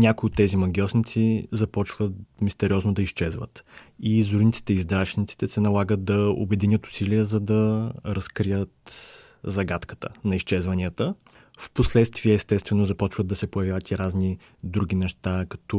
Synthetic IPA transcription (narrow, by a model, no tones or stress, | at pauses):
nʲakʊiot̪ːɛzimɐɡʲjɔsnit̪sizɐpɔt͡ʃvət̪mist̪ɛɾiɔznod̪ɐiʃt͡ʃɛzvə̰t̪izuɾnit̪si̥t̪ɛizd̪ɾat͡ʃnit̪si̥t̪ɛsɛnɐlˠaɡət̪̚d̪ɐo̰bɛd̪inʲjət̪ʊ̥siliəzɐd̪ɐɾɐskɾijət̪zɐɡat̪kə̥t̪ə̰nɐiʃt͡ʃɛzvɐniət̪ə | fposlɛt̪st̪viɛːst̪ɛt̪st̪vɛnozɐpɔt͡ʃvəd̪ɐsɛpojɐvjavət̪iɾazni | d̪ɾuɡ̟inɛʃt̪akɐ̥t̪ɔ